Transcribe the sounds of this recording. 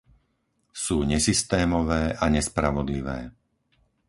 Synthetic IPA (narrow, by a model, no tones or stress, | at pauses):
suːɲɛsist̪ɛːmɔʋɛːʔaɲɛspɾaʋɔd̪liʋɛː